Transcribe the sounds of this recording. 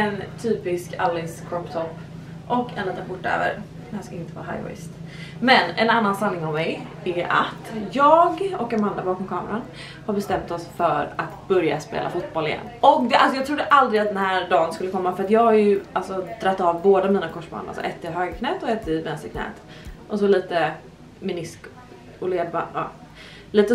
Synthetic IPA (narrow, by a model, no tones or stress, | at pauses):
ɛnt̪ʰyːpɪskʰalːɪŋskʰɾɔpt̪ʰɔpː | ʔɔkɛ̰nliːt̪ənpʊʈːø̰ːvə̰ɾ | kanskɪnt̪əva̰ɾɦa̰jvɔ̰ɪ̰st̪ | mɛnɛ̰nanːansanːɪŋɔvmɛj | æa̰t̪jɑːɡɔkːamand̪abɑːkɔmkʰɑːməɾan | haɾbɛst̪ɛmt̪ɔsfœɾat̪bœɾja̰spḛːla̰fʊt̪̚bɔlɪjɛ̰nːɔk̚d̪ɛalsɔjɑɡt̪ʰɾʊd̪ːəʔald̪ɾɪat̪̚d̪ɛnhæːɾɖɑːnskɵlːəkʰɔmːafœɾat̪jɑːɡhaɾjɵʔalsɔd̪ɾat̪ːɑːvboːd̪amiːnakʰɔʂb̰nɾa̰sɔ̰ʔɛːt̪əɾɦøːɡakʰnɛːt̪ɔɛːt̪əvɛnst̪əkʰnɛ̰ːt̪ | ʔɔs̬ɔliːt̪ə | mɪnɪsk | ɔleːbɑ̰ | liːt̪ə